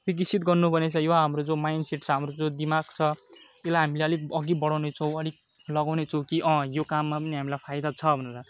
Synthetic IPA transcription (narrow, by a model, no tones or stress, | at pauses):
bik̬isʰit̪ɡʌrnubʌnet͡sʰʌjoɦamrod͡zomajnseʈt͡sʰʌɦamrod͡zod̪imaɡt͡sʰʌ | elaɦamileʌlik̚ʌɡibʌɽawnet͡sʰʌ̃w̃ʌlik̚ | lʌɡawnet͡sʰʌw̃kiʔʌ̃jokamːapʌniɦamilajpʰajd̪at͡sʰʌbʱʌneɾa